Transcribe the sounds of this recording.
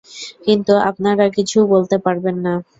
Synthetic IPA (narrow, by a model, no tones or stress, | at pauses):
kint̪ua̰p̚naɾakit͡ɕʰubolt̪epaɾbenːa